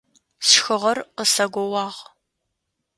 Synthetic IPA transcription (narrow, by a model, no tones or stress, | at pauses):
sxɨʁɐrqəsɐɡʷɔwɑːʁ